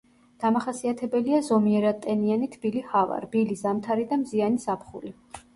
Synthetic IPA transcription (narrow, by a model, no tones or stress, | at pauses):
d̪̥amaχasiat̪ʰɛbɛliazɔmiɛɾat̪ʼɛnianit̪ʰb̥ilihava̰ɾb̥ilizamt̪ʰaɾid̪amzianisapʰχṵli